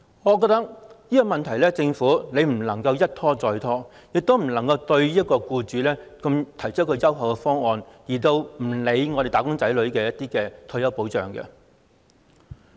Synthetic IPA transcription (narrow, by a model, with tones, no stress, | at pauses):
ŋɔː˨˧k̬ɔː˧˥t̪ɐ˥k̚jiː˥kɔ˧mɐ˨nt̪ʰɐ˨˩jlɛː˥t͡sɪ˧ŋfuː˨˥ne˨˧jm̩˨˩lɐ˨˩ŋkɐ˧wjɐ˥t̚t̪ʰɔː˥t͡sɔː˨˧jt̪ʰɔː˥ | jɪ˨k̚t̪o˥wm̩˨˩lɐ˨˩ŋkɐ˧wt̪ɵ˧ɥjiː˥ɐ˥t̚kɔː˧kuː˧t͡ʃyː˨˧lɛː˥kɐ˧mt̪ʰɐ˨˩jt͡ʃ̚ʰkʰːə˧jɐ˥wɦɐ˨wkɛ˧fɔː˥ŋɔː˧njiː˨˩t̪o˧wm̩˨˩le˨˧jŋɔ˨˧ɾe˨˩jt̪aː˨˥kʊ˥ŋt͡sɐ˨˥jlɵ˨˧ɥkɛː˧jɐ˥t̚t̪iː˥kɛː˧t̪ʰːjɐ˥wpo˨˥wt͡ʃœ̰ː˨˩ŋkɛ̰˧